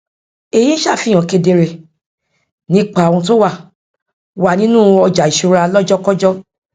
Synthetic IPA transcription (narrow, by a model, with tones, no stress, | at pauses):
e˨je˨˦ʃa˦˨fi˨˧˨j̃ɔ̃˨ke˧de˧ɾe˧ | nĩ˦k͡pã˨ũ˧t̬o˦wa˦˨ | wa˨nĩ˨˦nũ˦˨ɔ˧d͡ʒa˨i˨ʃu˧ɾa˧lɔ˦d͡ʒɔ˦kɔ˦d͡ʒɔ˦